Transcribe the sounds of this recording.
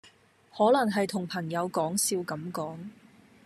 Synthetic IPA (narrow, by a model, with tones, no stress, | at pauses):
hɔː˨˥lɐ˨˩ŋɦɐ˨jt̪ʰʊ˨˩ŋpʰɐ˨˩ŋjɐ˨˧wkɔː˨˥ŋsiː˧wkɐ˨˥mkɔː˨˥ŋ